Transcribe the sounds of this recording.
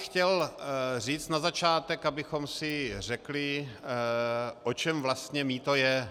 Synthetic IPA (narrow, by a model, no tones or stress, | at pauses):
xcɛlriːt͡st̪nazat͡ʃaːt̪ɛkabɪxo̞msɪr̝ɛklɪ | ʔot͡ʃɛmvlast̪ɲɛmiːt̪o̞jɛ